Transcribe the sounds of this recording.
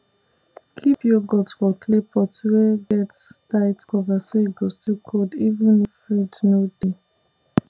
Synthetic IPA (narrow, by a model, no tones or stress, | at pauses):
kʰipjɔɡɔtfɔkʰlepʰɔtwɛɡɛtstaɪtkɔvasoiɡɔstikʰodivũnifɹidnode